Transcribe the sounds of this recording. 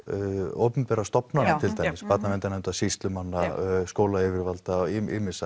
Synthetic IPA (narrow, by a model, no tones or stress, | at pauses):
o̰wpʏmpɛːɾast̪ɔpnanɪt̪ʰɪlt̪ʰajjɪspat̪namɛnt̪anɛnt̪asist̪lʏmanːaskoːwlaɪvɪɾvalt̪aɪɪmɪsa